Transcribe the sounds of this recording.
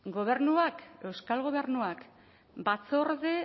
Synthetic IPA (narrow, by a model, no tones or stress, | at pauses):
ɡo̞β̞e̞ɾnuake̞wskalɣo̞β̞e̞ɾnuak | bat͡so̞ɾðe